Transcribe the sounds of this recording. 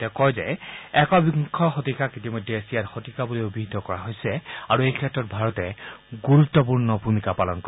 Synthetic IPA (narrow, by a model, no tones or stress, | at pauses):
tɛkɔjzɛɛkɔbikʰːɔxotikakitimɔdʱːɛesiaɹxotikabuliobʱiɦd̪ɔkɔɹaɦojsɛaɹuejkʰɛtɹɔt̚bʱaɹɔtɛɡuɹutːɔp̬uɹnɔbʱumikapalɔnkɔ